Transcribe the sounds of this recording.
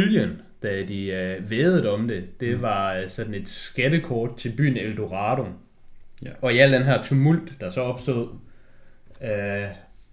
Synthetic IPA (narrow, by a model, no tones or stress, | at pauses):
ljən | d̥æd̥iøʋeːð̩ˠɒ̽md̥e̝d̥e̝ʋɑ̈sɒ̽d̥n̩e̝d̥sɡ̥æɾəkʰɒːd̥̚t͡sʰe̝lb̥y̰ːn̩eld̥o̝ʁɑ̈ːɾ̥o̝ | ɒ̽iæl̰d̥enɦæɐ̰t͡sʰumul̰d̥ːɑ̈sɒ̽ɒ̽b̥sd̥o̝̰ð̞̰ˠ | ø